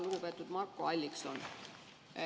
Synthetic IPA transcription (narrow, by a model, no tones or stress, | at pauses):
luɡ̥upet̪ːˑud̪̥mɑrkːoɑlʲːikso̰n